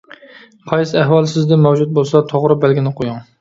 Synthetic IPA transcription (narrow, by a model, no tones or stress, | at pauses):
qʰɑjsɪæɦwɑlˠsɪzd̪ɛmɛwd͡ʒut̪̚bolˠsɑt̪ʰoʁɾɨbælɡʲinɪqʰojuŋ